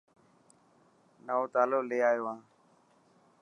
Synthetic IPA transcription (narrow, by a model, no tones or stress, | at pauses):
nəoːt̪aːloːleːaːjoːãː